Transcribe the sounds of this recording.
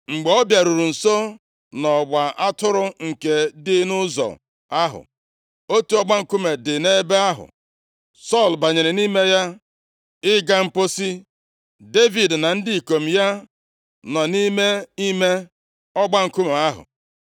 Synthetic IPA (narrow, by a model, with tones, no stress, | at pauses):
ŋ͡m̩˨ɡ͡be˨ɔ˦bja˨ɾu˨ɾu˨n̩˨so˦ | nɔ˨ɡ͡ba˨ʔa˦tʊ˦ɾʊ˦ŋ̩˨ke˨dɪ˦nʊ˦zɔ̰˨ | a˦ɦʊ̰˨ | o˦tu˦ɔ˦ɡ͡ba˦ŋ̩˨ku˦me˨dɪ˨ne˦be˦a˦ɦʊ̰˨ | sɔ˦˨lba˨ɲe˨ɾɪ˨ni˦me˦ja˦ | ɪ˦ɡa˦ŋ͡m̩˨po˦si˦ | de˦vi˨dna˨n̩˦dɪ˦i˨ko˨m̩˨ja˦ | nɔ˨ni˦me˦i˦me˦ | ɔ˦ɡ͡ba˦ŋ̩˨ku˦me˨a˦ɦʊ̰˨